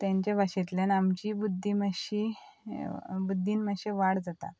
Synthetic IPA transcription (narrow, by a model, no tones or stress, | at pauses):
t̪jãɲt͡ɕabʱaɕet̪ljanamt͡ɕibud̪ʱːiməɕi | bud̪ʱːiːnməɕeʋaɽd͡zat̪a̰